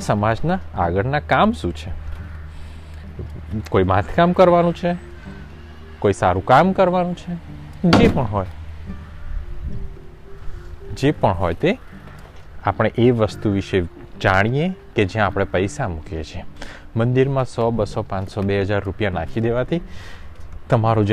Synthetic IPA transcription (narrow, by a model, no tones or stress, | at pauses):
səmad͡ʒnaːɡəɾnakamʃũt͡ʃʰe | koimãt̪ʰkamkəɾʋanũt͡ʃʰe | koisaɾũkamkəɾʋanũt͡ʃʰe | d͡ʒepəɳɦoj | d͡ʒepəɳɦɔjt̪e | apɽ̃eʔeʋəst̪uʋiʃe | d͡ʒaɽ̃ijeked͡ʒjãːpɽ̃epəjsamukjḛt͡ʃʰiemənd̪iɾmãsɔbəsɔpãt͡ʃsɔbeɦəd͡ʒaɾːupjanakʰid̪eʋat̪ʰi | t̪əmaɾod͡ʒ